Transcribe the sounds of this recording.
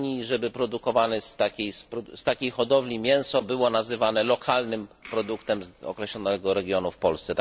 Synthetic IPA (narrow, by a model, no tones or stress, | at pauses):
ɲiʐɛbɘpɾɔd̪ukɔvanɘst̪akʲejspɾɔst̪akʲejxɔd̪ɔvlʲimʲjɛ̃w̃sɔbɘwɔnazɘvanɛlɔkʰalnɘmpɾɔd̪ukt̪ɛmɔ̰kɾɛɕlɔnɛɡɔɾɛɡʲjɔnufpɔlst̪ɛt̪